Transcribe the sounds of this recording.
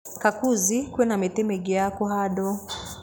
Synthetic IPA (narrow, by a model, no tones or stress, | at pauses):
kakuzikwɛnamɛtɛmɛɡɛjakɔɦaɗɔ